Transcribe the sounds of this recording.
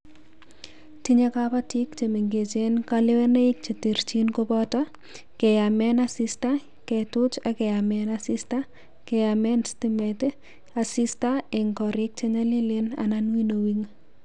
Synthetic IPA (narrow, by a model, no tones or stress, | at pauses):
tiɲekapatikt͡ʃemeŋɡet͡ʃenkalewɛneik̚t͡ʃetiɾt͡ʃinkopɔtɔ | kɛjamɛnasista | kɛtʊt͡ʃakɛjamɛnasista | kɛjamɛnstimɛt | asistaeŋkɔɾɪk̚t͡ʃeɲalilena̰nanwinowiŋ